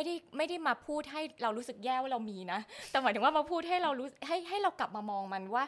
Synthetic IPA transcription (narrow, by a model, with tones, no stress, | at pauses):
jda˥˩jma˥˩jda˥˩jmaː˧pʰuː˥˩t̪̚ɦa˥˩jɾa˧wɾu˦˥sɯ˨˩k̚jɛː˥˩waː˥˩ɾa˧wmiː˧na˦˥t̪ɛ˨˩maː˨˦t̪ʰɯ˩˦wa˥ma˧pʰuː˥˩t̪̚ɦa˥˩jɾa˧wɾuː˦˥˨ɦa˥˩jɦa˥˩jɾa˧wkla˨˩p̚maː˧mɔː˧ŋma˧nwaː˥˩